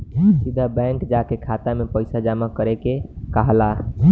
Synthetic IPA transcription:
sid̪ʱabɛŋkd͡ʒakekʰat̪amepəɪsad͡ʒamakəɾekekəɦla

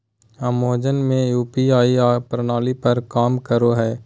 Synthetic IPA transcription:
amoːd͡ʒənmẽjuːpiaːiapɾənaːlipɐɾkaːmkəɾoɦɛː

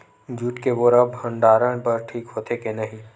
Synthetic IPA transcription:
d͡ʒuːʈkeʋoːɾəbɦə̃ɳɖaːɾəɽ̃pɐɾʈʰiːkɦoːt̪ʰekenɐɦĩ

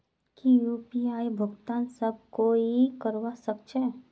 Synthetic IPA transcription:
kijuːpiaːibʱʊɡt̪aːnsɐb̚koːikəɾwasəkt͡ʃɛ

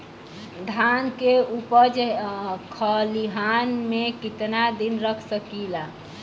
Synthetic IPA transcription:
d̪ʱankeupəd͡ʒkʰəliɦanmekit̪nad̪inɾəkʰsəkila

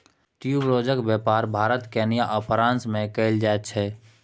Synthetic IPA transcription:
ʈijubɾod͡ʒəkbɛpaɾbʱaɾət̪kɛnijaʔəpʰɾãːnsmẽkəɪld͡ʒaɛt̪̚t͡ʃʰɛ

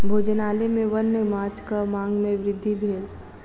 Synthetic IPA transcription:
bʱoːd͡ʒənaːlemẽʋənːəmaːt͡ʃkamãːŋɡmẽʋɾɪd̪ʱːibʱeːl

